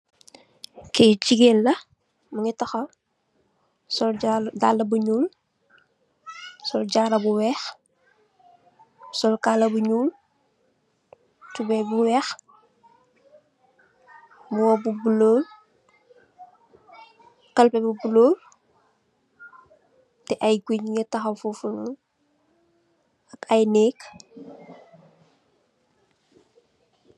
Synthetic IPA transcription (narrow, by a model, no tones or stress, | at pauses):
kɛːciɡeːlːɐ | mɐɲitɐxɐ | sɔldalːɐbuɲuːl | sɔlɟaːɾɐbuwɛːx | sɔlkaːlɐbuɲuːl | tubɛbuwɛːx | buwɔbubuloːl | kɐlpɛbubuloːl | tɛʔɐjɡuɲŋətɐxɐwfufunun | ɐkɐjnɛːk